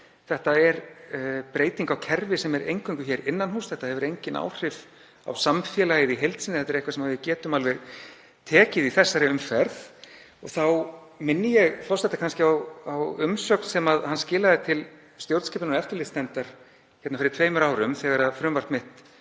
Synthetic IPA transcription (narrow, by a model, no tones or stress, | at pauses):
θɛht̪aɛɾpɾeːjt̪iŋkawcʰɛɾvɪsɛmɛɾʔḛjŋkʏŋkʏçɛɾɪnːanɦuːsθɛht̪ahɛvʏɾejɲcɪnʔa̰ːwr̥ɪv | a̰wsamfjɛːlajɪðiɦejlt̪sɪnɪθɛt̪aɾɛhkvasɛmavɪcɛːt̪ʏmalvɛɾ | t̪ʰɛːcɪðiθɛsːaɾɪʏmfɛɾð | ɔɣθaw | mɪnːɪjɛɣθɔwst̪ɛht̪ːakʰanscɪawawʏmsœkn̥sɛmaðhanscɪːlaðɪt̪ʰɪl | st̪jowɾt̪scɛːpɪnnɛft̪ʏlɪst̪ɛnt̪aɾ̥ | çɛt̪nafɪɾɪɾt̪ʰveːjmʏɾaːwɾʏmθɛɣaɾaðfɾʏmvar̥t̪mɪht̪